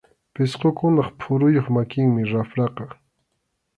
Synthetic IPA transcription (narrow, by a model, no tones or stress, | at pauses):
pɪsqokʊnɑχpʰʊɾʊjoχmakɪŋmɪɾafɾɑqɑ